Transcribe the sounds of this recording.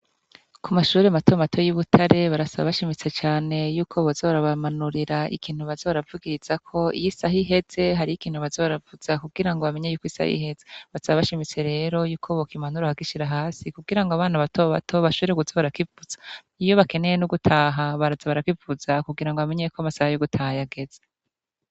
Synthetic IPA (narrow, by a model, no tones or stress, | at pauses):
kʰumaʃuːɾemato̞matʰo̞juβutʰaɾe̞βaɾasaβa̰βaʃimit͡se̞t͡ʃaːne̞juːkʰo̞βozo̞ːβaɾaβamanuɾiɾaʔḭkʰiːn̥huβazoβaɾavuɡiɾiz̥akʰo̞ḭjisahiɦe̞z̥e̞ɦaɾiikiːnhuβazoːβaɾavuz̥akuɡiɾaŋɡoβame̞ɲejuːkisa̰hḭɦe̞zeβasaβaβaʃimit͡se̞ɾe̞ːɾo̞juːkʰo̞βokimanuɾahakiʃiɾaɦaːsikuɡiɾaŋɡoaβaːnaβatʰoβa̰tʰo̞βaʃoβeɾekuzoβaɾakivuz̥a | ijo̞βake̞ne̞jenuɡutʰaːɦaβaɾazaβaɾakwivuzakuɡiɾaŋɡoβame̞ɲejekoamasahajoɡutʰahajaɡe̞z̥e